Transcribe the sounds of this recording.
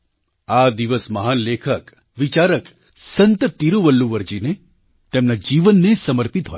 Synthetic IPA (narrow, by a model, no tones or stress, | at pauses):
ad̪iʋəsməɦanlekʰək | ʋit͡ʃaɾək | sə̃nt̪ət̪ːiɾoʋəlːuʋəɾd͡ʒine | t̪emnad͡ʒiʋənːesəməɾpit̪ɦo̰j